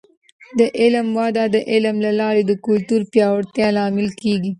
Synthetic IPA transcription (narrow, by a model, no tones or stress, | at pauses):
d̪əʔɪlmwɑd̪ɑd̪əʔɪlmlalɑɾed̪əkʊlt̪uɾpjɑwaɽt̪jɑlɑmɪlkeɡi